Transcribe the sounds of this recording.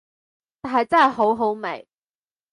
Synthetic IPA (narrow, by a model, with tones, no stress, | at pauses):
t̪aː˨˩ɦɐ˨jt͡sɐ˥nɦɐ˨jɦo˨˥wɦo˨˥wmḛ˨˩j